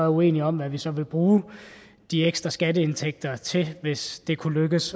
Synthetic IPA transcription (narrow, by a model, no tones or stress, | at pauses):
ue̝̰ːniɒ̽mʋæʋisɒ̽ʋe̝b̥ʁuː | d̥ieɡ̥sd̥ʁɐsɡ̥ædəe̝nt͡sʰeɡ̥̚d̥ɐt͡sʰe̝ʋe̝sd̥e̝kʰuløɡ̥əs